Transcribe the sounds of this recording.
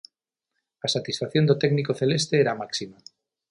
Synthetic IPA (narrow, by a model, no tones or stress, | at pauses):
asat̪isfaθjo̞nd̪ot̪ɛɡnikoθelest̪eeɾamaksima